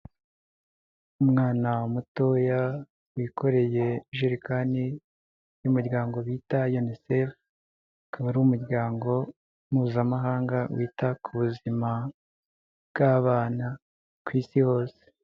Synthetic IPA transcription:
umŋaːnaumuto̞ja | wikʰo̞ɾe̞je̞ʒiɾikani | jumuɾɟaːŋɡo̞βiːtajonisef | kaβaɾuwumuɾɟaːŋɡo̞ | m̥huβuzamaɦaːŋɡawʔiːtakʰuβuzima | bɡaβaːna | kwiːsiho̞ːse̥

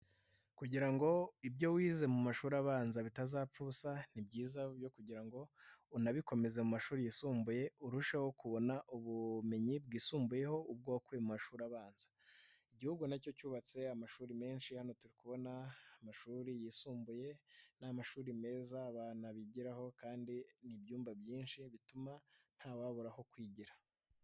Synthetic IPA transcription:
kuɟiɾaŋɡo̞ibɟo̞wiːze̞mumaʃuːɾaβaːnzaβitazaːp͡fuːsanib̚ɟiːzabjo̞kuɟiɾaŋɡo̞unaβiko̞me̞ze̞mumaʃuːɾijisuːmbuje̞uɾuʃaho̞kuβo̞naʔuβume̞ɲibɡiːsuːmbuje̞ho̞ub̚ɡokuemumaʃuːɾaβaːnz̥ḁiɟihuɡunaco̞cuːβat͡se̞amaʃuːɾime̞ːnʃihano̞tuɾikuβo̞naːmaʃuːɾijisuːmbuje̞namaʃuːɾime̞ːzaːβanaβiɟiɾaho̞kaːndinibjuːmbabjiːnʃiβituman̥haːwaβoɾaho̞kwiːɟiɾa

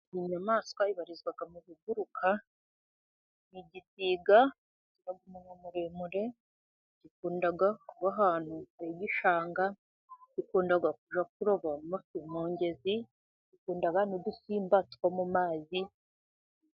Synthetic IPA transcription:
iɲamaːskwaiβaɾizɡwaɡamuβiɡuɾukʰa | niɟisiːɡa | ciɾaɡumuɲamuɾemuɾe̞ | ɟikuːndaɡakuβaɦaːn̥hueɟiʃaːŋɡa | ɟ̥ikuːndaɡakuʒak̚uɾoβamofimoːɲɟe̞zi | ɟikuːndaɡanodusiːmbatwamumaːzi

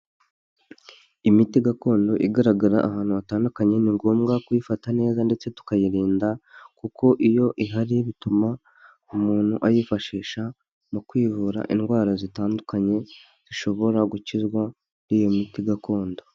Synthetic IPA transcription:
imitiɡako̞ːndo̞ʔiɡaɾaɡaɾa̰ʔahaːnhuβataːndukaɲe̞niŋɡoːmɡakujifatane̞ːzande̞t͡se̞tu̥kajiɾiːndakukʰo̞ʔijo̞ʔiɦaɾiβituma | umuːn̥huʔajifaʃiːʃa | mukwiːvuːɾa̰ʔinɡwaːɾazitaːndukaɲe̞ | z̥iʃo̞βo̞ɾaɡucizɡwa | ijomitiɡako̞ːndo̞

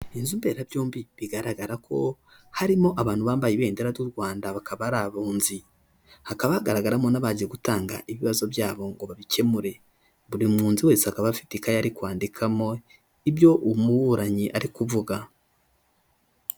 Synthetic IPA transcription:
inzumbe̞ɾabjoːmbiβiɡaɾaɡaɾakʰo̞̰ | haɾimo̞ʔaβaːn̥huβaːmbajiβe̞ːndeɾatuɾɡwaːndaβakaβaɾaβuːnzi | hakaβahaɡaɾaɡaɾamo̞naβaɟieɡutaːŋɡa̰ʔiβiβazo̞βjaːβo̞ŋɡo̞βaβice̞muɾe̞ | βuɾimŋuːnziwe̞ːsehakaβafi̥tikajaɾikwaːndikʰamo̞ | ibjo̞ʔumuwuɾaɲiʔaɾikuvuɡa

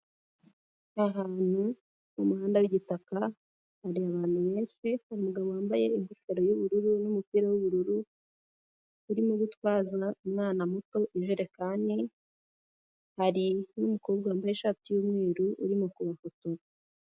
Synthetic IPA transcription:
aɦaːn̥hu | numuhaːndawiɟitaka | haɾiaβaːn̥huβe̞ːnʃihaɾimuɡaβowaːmbaje̞iŋɡufeɾo̞juβuɾuɾunumupiːɾawuβuɾuɾu | ɾimoɡutwaːzaumŋaːnamuto̞ʔiʒeɾe̞kaːne | haɾinumukoːbɡaːmbajeʃaːtijuːmŋe̞ːɾuʔṵɾimokuβafoto

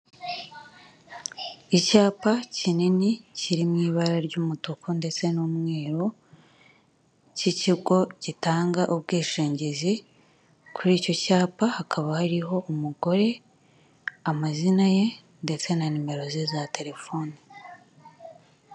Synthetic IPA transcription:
icaːpacininiciɾimŋiːβaɾaɾɟuːmutokonde̞t͡se̞numŋe̞ːɾo | ciciɡo̞citaːŋɡaʔubɡiːʃeːɲɟezi | kʰuɾiːco̞caːpahakʰaβahaɾiɦo̞ʔumuɡo̞ɾe̞ | amazinaje̞ | nde̞t͡se̞nanime̞ɾo̞zezate̞ɾe̞fo̞ːni

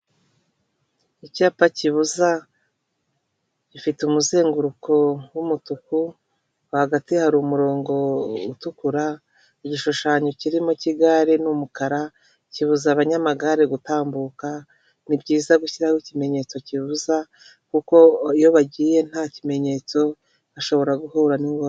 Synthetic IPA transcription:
icaːpaciβuza | ɟifiteumuzeːŋɡuɾukʰo̞wumutuku | haɡatihaɾuːmuɾo̞ːŋɡo̞utukuɾa | iɟiʃuʃaːɲo̞ciɾimo̞ciɡaɾinumukaɾa | ciβuzaβaɲamaɡaɾeɡutaːmbuka | nibɟiːzaɡuçiɾawicime̞ɲe̞t͡so̞ciβuza | kuko̞ijo̞βaɟiːje̞n̥haːcime̞ɲe̞t͡so̞ | aʃo̞βo̞ɾaɡuhuːɾaniŋɡo

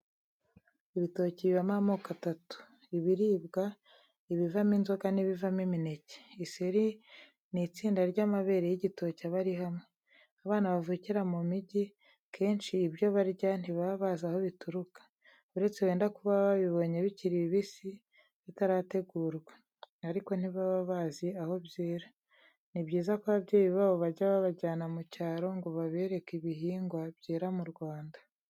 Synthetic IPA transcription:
iβito̞ciβiβamamoːkatatu̥ | iβiɾiːbɡa | iβivaminzo̞ɡaniβivamimine̞ce̥iseɾi | nit͡siːndaɾɟamaβe̞ɾejiɟito̞caβaɾiɦamŋe̞ | aβaːnaβavuciɾamumiɟi | kʰe̞ːnʃiːbjo̞βaɾɟan̥iβaβazaho̞βituɾukḁ | uɾe̞t͡se̞we̞ːndakuβaβaβiβo̞ɲe̞βiciɾiiβisi | βitaɾaːte̞ɡuːɾɡwe | aɾiko̞n̥iβaβaβaːziaho̞bjeːɾa | nibɟiːzakoβabɟeːβiβaβo̞βaɟaβaβaɟaːnamucaːɾo̞ŋɡo̞βaβe̞ːɾe̞kiβiɦiːŋɡwabɟeːɾamuɾɡwaːndḁ

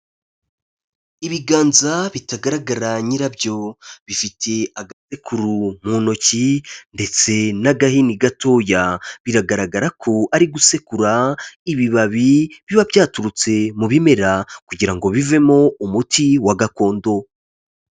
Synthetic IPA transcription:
iβiɡaːnzaβitaɡaɾaɡaɾaɲiɾabjo̞βifitʰe̞aɡase̞kʰuɾum̥uːno̞cinde̞t͡se̞naɡahiniɡato̞ːjaβiɾaɡaɾaɡaɾakʰo̞ʔaɾiɡuse̞kuɾaiβiβaβiβiβaβjaːtuɾut͡se̞muβime̞ɾakuɟiɾaŋɡo̞βive̞mo̞umutiwaɡako̞ːndo̞

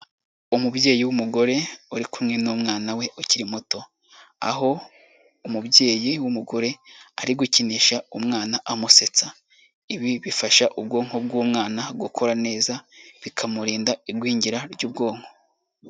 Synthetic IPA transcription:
umubɟe̞ːjiwumuɡo̞ɾe̞uɾikumŋe̞nuːmŋaːnawe̞ʔuciɾimuto̞ | a̰ɦo̞ | umubje̞ːjiwumuɡo̞ɾe̞aɾiɡuciniʃaumŋaːnaʔamuse̞t͡sa | iβiβifaʃaʔub̚ɡo̞ːŋ̥hob̚ɡuːmŋaːnaɡukʰo̞ɾane̞ːzaβikʰamuɾiːndaiɾɡwiːɲɟiɾaɾɟuːb̚ɡo̞ːŋ̥ho̞̥

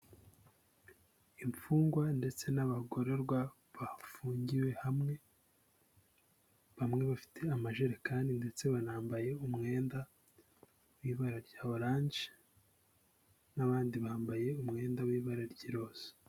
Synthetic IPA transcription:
iɱp͡fuːŋɡwande̞t͡se̞naβaɡo̞ɾe̞ɾɡwa | βafuːɲɟiwe̞hamŋe̞ | βamŋe̞βafi̥tʰe̞amaʒeɾekaːndinde̞t͡se̞βanaːmbaje̞umŋe̞ːnda | wiːβaɾaɾɟaːβoɾaːɲd͡ʒe̥ | naβaːndiβaːmbaje̞umŋe̞ːndawiːβaɾaɾɟiɾo̞ːz̥e̥

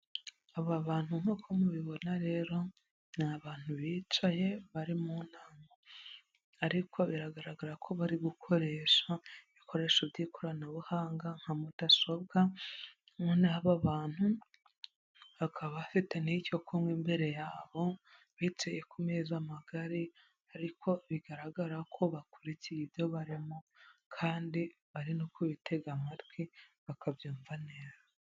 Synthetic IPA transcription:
aβaβaːn̥huŋ̥okʰomuβiβo̞naɾe̞ːɾo̞ | naβaːn̥huβit͡ʃaje̞βaɾimun̥aŋɡo | aɾikʰo̞βiɾaɡaɾaɡaɾakʰo̞βaɾiɡukʰo̞ɾe̞ʃaβikʰo̞ɾe̞ʃuβɟikʰoɾanaβuhaːŋɡaŋ̥hamud̥aso̞b̚ɡa | ŋonaaβaβaːn̥hu | βakʰaβafiteniico̞kʰomɡimbe̞ɾe̞jaːβo̞ | βitejekumeːzamaɡaɾi | aɾikʰo̞βiɡaɾaɡaɾakʰo̞βakuɾicijibjo̞βaɾimokʰaːndi | βaɾinokuβitʰe̞ɡamatɡwiβakʰavjuːɱvaneːza

